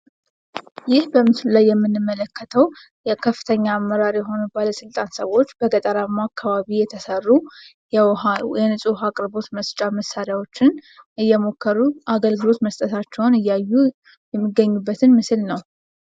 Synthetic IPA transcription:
jɪhbəmɨslulajːɛmːɨnːɨmːələkːət̪ʰəw | jɛkʰəfːɨ̥t̪ʰəɲːaːmːəɾaɾjɛɦo̞nubaləsɨlt̪ʼansəwo̞t͡ʃːb̥əɡʼət̪ʼəɾamːakʰːaβaβijɛt̪ʰəsərːu | jɛnɨsʼuɦakʼɾbo̞t̪məst͡ʃʼaməsaɾjawo̞t͡ʃːɪnɨjːɛmo̞kʰːəɾuʔaɡəlɡɨlo̞t̪məst̪ʼət̪ʰat͡ʃːɛwnɨjːajːu | jɛmːɨɡəɲːubːət̪ʰɨnmɨsɨlnəw

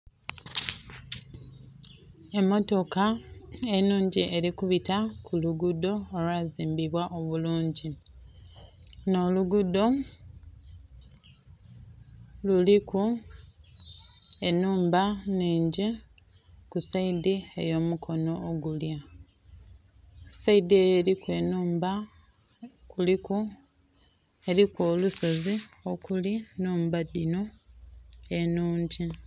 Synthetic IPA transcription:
e̞mːo̞to̞kaenuːɲɟiʔe̞ɾikuβitakʰuluɡudo̞ːlwaːziːmbiβwaʔoβuluːɲɟi | no̞luɡudo̞ | luliku | e̞nuːmbaniːɲɟi | kusaidie̞̰jo̞ːmukʰo̞no̞ːɡulja | said̪iejeɾikwe̞nuːmba | kuliku | e̞ɾikwo̞ːluso̞zio̞kulinuːmbadino̞ | e̞nuːɲɟi

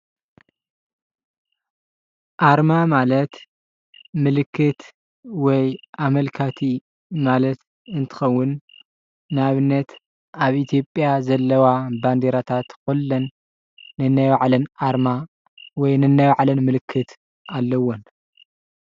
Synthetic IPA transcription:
ʔaɾmamalɐt̪ | mɨlɨkʰːɨt̪ | wɔjʔamɐlkʰat̪ʰi | malɐt̪ | ɨnt̪ʰɨ̥xɐwːʊnː | βɨnːɐt̪ | aβʔit̪ʰijo̞pʼjazɐlːɐwaband̪eɾat̪ʰat̪kulːɐnː | ɨnːajwaʕlɐnʔaɾma | wɔjnɨnːajwaʕlɐnmɨlɨkʰːɨt̪ | ʔalːɐwon

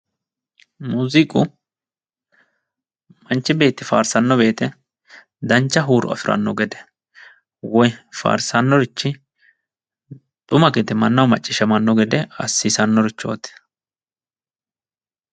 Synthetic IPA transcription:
muːzɪkʼʊ | mɐnt͡ʃːɪbe̞ːt̪ːɪfa̰ːɾsɐnːɔbe̞ːt̪ɛ | d̪ɐnt͡ʃːɐɦuːɾʊ̰ɐ̰fɪɾʔɐ̰nːɔ̰ɡɛd̪ɛ̥ | wɔjfa̰ːɾsɐnːɔɾɪt͡ʃːɪ | t̪ʼʊmɐɡɛd̪ɛmɐnːɐwmɐt͡ʃʼːɪʃɐmɐnːɔɡɛd̪ɛɐsːisɐnːɔɾɪt͡ʃːo̰ːt̪ɛ̥

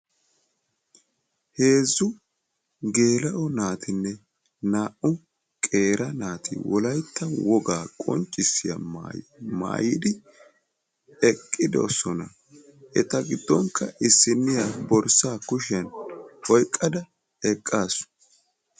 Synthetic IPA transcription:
he̞ːzːʊ | ɡe̞ːlɐʔɔnaːt̪ɪnːɛ | naːʔʊ | kʼe̞ːɾʔɐnaːt̪ʰɪ̰wɔlɐjt̪ːɐwɔɡaːkʼɔ̰nt͡ʃʼːɪsːɪjɐ̰majma̰ːjɪd̪ɪ | ɛkʼːɪd̪ɔ̰sɔnɐ | ʔɛ̰t̪ɐɡɪd̪ːɔŋkʰːɐʔɪsːɪnːɪjabɔɾsaːkʊʃ̬ɐnɔjkʼːɐd̪ɐ | ɛkʼːaːsʊ̥

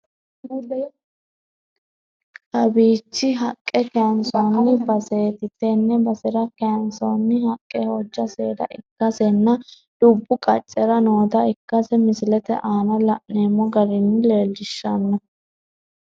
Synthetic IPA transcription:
kɐbiːt͡ʃːɪɦɐkʼːɛkɛnsonːɪbɐse̞ːt̪ɪt̪ːɛnːɛbɐsɪɾɐkɛnsonːɪhɐkʼːɛhɔd͡ʒːɐsḛːd̪ɐ̰ʔɪkːɐsɛnːɐ | d̪̥ʊbːʊkʼɐt͡ʃʼːɛɾɐno̞ːt̪ɐɪkːɐsɛmɪsɪlɛt̪ɛ̰ʔaːnɐlɐʔneːmːɔɡɐɾɪnːɪle̞ːlːɪʃːɐnːɐ

